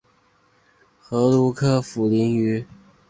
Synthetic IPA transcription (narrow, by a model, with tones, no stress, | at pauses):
xɤ˧˥lu˧˥kʰɤ˥˩fu˨˩li˧˥ny˧˥